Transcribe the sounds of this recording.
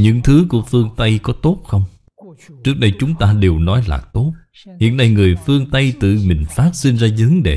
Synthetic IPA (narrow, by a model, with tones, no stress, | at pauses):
ɲɨ̰˧˥ŋt̪ʰɨ˨˦ku˧˩əfɨ˧əŋt̪ə˧jkɔ˨˦t̪o˦˥t̚xə˧wŋ͡m | t͡ɕɨ˦˥ək̚ɗə˧jt͡ɕʊ˨˦ŋ͡mt̪aː˧ɗe˨˩wnɔ˨˦jla̰ː˨˩t̪o˦˥t̚ | hḭ˧˨ənːa˧jŋɨ˨˩əjfɨ˧əŋt̪ə˧jt̪ɨ̰˧˨mï˨˩ŋ̟faː˦˥t̚si˧nzaː˧zɨ˨˦ŋɗe˧˨˩